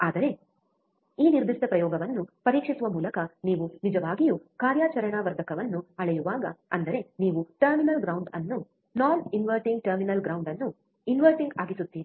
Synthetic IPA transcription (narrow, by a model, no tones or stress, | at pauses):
aːd̪ɐɾe̞ | iːniɾd̪ʱisd̪ɐpɾɐjɔːɡɐʋɐnːupɐɾiːkʂisuʋɐmuːlɐkɐniːʋunid͡ʒɐʋaːɡijukaːɾjaːt͡ʃɐɾɐɳaːʋɐɾd̪ʱɐkɐʋɐnːuɐɭɐjuʋaːɡɐ̰ɐ̰nd̪ɐɾe̞niːʋuʈɐɾminɐlɡɾɐwɳɖɐ̰nːu | naːninʋɐɾʈiŋɡ̚ʈɐɾminɐlɡɾɐwɳɖɐnːu | inʋɐɾʈiŋɡa̰ːɡisut̪ːiːɾi